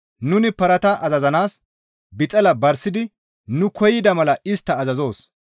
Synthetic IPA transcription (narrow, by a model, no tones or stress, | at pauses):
nʊnɪpɐɾɐt̪ɐʔɐzɐzɐnaːs | bɪt̪ʼɐlɐbɐɾsɪd̪ɪ | nʊkɔjɪd̪ɐmɐlɐɪst̪ːɐːzɐzo̞ːs